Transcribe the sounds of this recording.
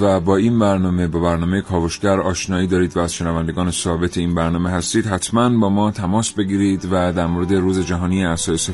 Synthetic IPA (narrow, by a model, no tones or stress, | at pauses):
væbɒːiːnbæɾnɒːme̞bɒːbæɾnɒːmejekʰɒːvoʃɟæɾɒːʃnɒːiːd̪ɒːɾiːd̪væːz̥ʃe̞nævænd̪e̞ɡɒːnesɒːbe̞t̪ʰeiːnbæɾnɒːmeɦæst̪iːd̪ɦæt̪ʰmænbɒːmɒːt̪ʰæmɒːsbe̞ɡiːɾiːd̪væd̪æɾmoɾe̞d̪e̞ruːze̞d͡ʒæɦɒːnieæsɒːjese